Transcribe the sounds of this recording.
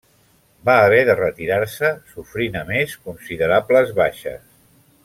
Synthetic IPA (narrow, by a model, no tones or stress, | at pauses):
baːβɛðərət̪iɾaɾsəsufɾinəmeskunsiðəɾabləzβaʃə̰s